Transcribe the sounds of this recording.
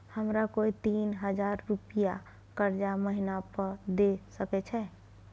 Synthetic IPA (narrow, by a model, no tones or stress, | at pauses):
həmɾakoit̪iːnɦəd͡ʒaːɾːupija | kəɾd͡ʒaməɦinapəɾd̪esəkɛt͡ʃʰɛː